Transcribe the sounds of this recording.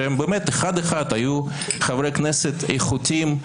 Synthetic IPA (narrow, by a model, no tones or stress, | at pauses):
embemet̪eχad̪eχad̪aju | χavɾekneset̪ḛjχut̪ʲim